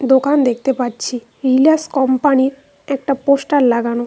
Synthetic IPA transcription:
d̪okand̪ek̚ʰt̪epatːt͡ɕʰi | ɾilaskɔmpaniɾ | ɛk̚ʈaposʈaɾlaɡano

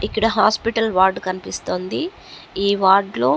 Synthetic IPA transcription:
ikːɐɽɐɦaːspiʈɐlʋaːɾɖkɐnipist̪oːnd̪i | iːʋaːɾɖlo̞ː

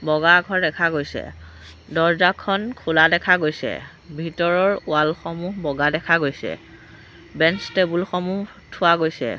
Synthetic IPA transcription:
bɔɡaɡʱɔɹdɛkʰaɡojsɛ̰ | dɔɹzakʰɔnkʰʊladɛkʰaɡojsɛ̰ | bʱitɔɹɔɹʊalxɔmuɦbɔɡadɛkʰaɡojsɛ̰ | bɛnstebulxɔmuɦ | tʰʊaɡojsɛ̰

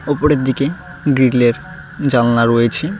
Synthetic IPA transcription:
opoɾeɾd̪ike | ɡɾiɖleɾ | d͡ʑalanaɾojet͡ɕʰe

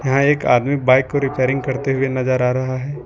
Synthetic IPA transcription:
jɐɦãeːka̰ːd̪mibaːɪkːoɾɪpeːɾɪ̃ŋɡ̚kɐɾt̪eɦʊenɐzəɾaːɾɐɦaɦɛː

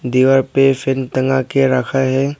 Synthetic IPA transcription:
d̪iːʋəɾpefɪnt̪əŋɡakeɾəkʰaɦɛː

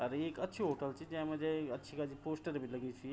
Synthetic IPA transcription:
əɾeekət̪ːʰiɦoʈəlt͡ɕiːd͡ʑjãməd̪ʱjekətːɕʰikad͡ʑʱiːposʈəɾbʱiːləɡet͡ɕi

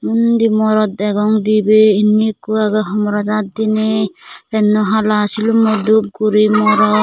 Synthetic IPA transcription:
mund̪imɔɾɔt̪ɛɡɔŋd̪ibeinːikuaɡɔɦɔmɔɾɔd̪at̪̚d̪inepɛnːɔɦalasilumɔd̪ub̚kuɾimɔɾɔ

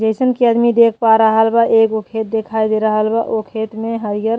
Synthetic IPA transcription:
d͡ʒesənkiəd̪mid̪ekʰpaɾəɦəlbaʔeːkokʰeːt̪̚d̪ekʰajd̪eɾəɦəlbaʔokʰeːt̪mẽɦəɾjəɾ

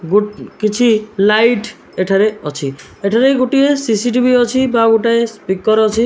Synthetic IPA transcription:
ɡukit͡ʃʰilajʈ | eʈʰaɾeɔt͡ʃʰi | eʈʰaɾeɡuʈiesisiʈ̬ibʱiɔt͡ʃʰibaɡuʈaespikːɔɾeɔt͡ʃʰi

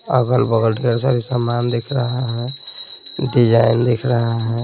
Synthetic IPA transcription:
əkəlbəɡəlɖʱeɾsaɾisamand̪ekʰɾəɦaɦɛ | t̪id͡ʒaend̪ekʰɾəɦaɦɛ

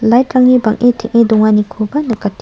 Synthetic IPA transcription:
lajtɾaŋnibɐŋʔitʰiŋidɔŋanikʰubɐnɐkatː

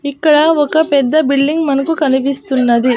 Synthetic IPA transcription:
ikːɐɭɐɔkɐpɛd̪ːɐbiɭːiŋɡmɐnɐkukɐnipist̪unːɐd̪i

